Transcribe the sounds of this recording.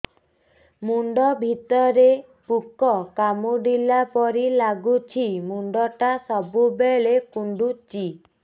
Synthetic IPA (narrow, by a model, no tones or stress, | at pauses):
muɳɖɔbʱit̪ɔɾe | pukɔkamuɖilapɔɾilaɡut͡ʃʰimuɳɖɔʈasɔbubeɭekuɳɖut͡ʃi